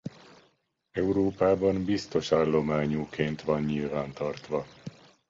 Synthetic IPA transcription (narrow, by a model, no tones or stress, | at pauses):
ɛuɾoːpaːbɒmbist̪o̞ʃaːlːo̞maːɲuːkʰeːnt̪ʋɒnːilvaːnt̪ɒrt̪ʋɒ